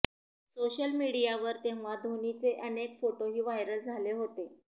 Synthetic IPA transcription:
soɕəlmiɽijaʋəɾt̪eʋʋ̤ad̪ʱonit͡seʔənekfoʈoɦiːʋajɾəld͡zʱaleɦot̪e

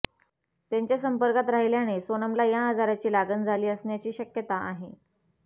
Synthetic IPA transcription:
t̪jaɲt͡ɕjasəmpəɾkat̪ɾaɦiljañesonəmlajaɦəd͡zaɾat͡ɕiːlaɡənd͡zʱaliːəsɳjat͡ɕiːɕəkjət̪aʔaɦe

